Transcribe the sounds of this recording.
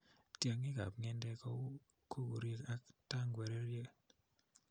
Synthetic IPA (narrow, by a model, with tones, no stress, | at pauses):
tja˨ŋɪ˦ka̰˨p̚ŋɛ˦ndɛ˦kɔ˦ | kʰo˦ɡo˨ɾje˦ka˦ta˦ŋɡwɛ˨ɾe˦ɾje˦